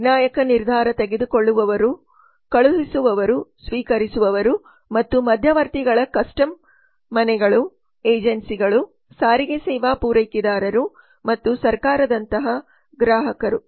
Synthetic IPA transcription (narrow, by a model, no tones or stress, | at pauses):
naːjɐkɐniɾd̪ʱaːɾɐt̪eɡe̞d̪ukoɭːuʋɐʋɐɾu | kɐɭuɦisuʋɐʋɐɾusʋiːkɐɾisuʋɐʋɐɾu | mɐt̪ːumɐd̪ʱjɐʋɐɾt̪iɡɐɭɐkɐsʈɐmː | ɐnɛɡɐɭu | eːd͡ʒɐnsiɡɐɭu | saːɾiɡesɛːʋaːpuːɾɐjkid̪aːɾɐɾu | mɐt̪ːusɐɾkaːɾɐd̪ɐnt̪ɐɦɐ | ɡɾaːɦɐkɐɾu